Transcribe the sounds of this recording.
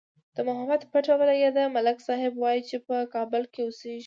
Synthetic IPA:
d̪̥əmʊɦamad̪paʈawalajad̪amalɪksɑɦɪbwɑjit͡ʃepəkɑbʊlkeoseʒi

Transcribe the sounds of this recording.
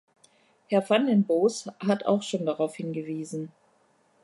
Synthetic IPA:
hɛɐfanlɛnboːshatʰa̰ʊxʃoːndaʁaʊfhɪnɡəviːzn̩

